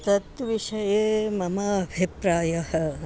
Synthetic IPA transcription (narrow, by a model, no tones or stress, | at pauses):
t̪ɐt̪ʋiʃɐjeːmɐmaːbʱipɾaːjɐhɐ̆